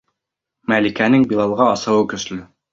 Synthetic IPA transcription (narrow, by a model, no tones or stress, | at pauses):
mælikænɘŋbilˠɑlˠʁɑɑsɤ̆wɤkɵ̆slɵ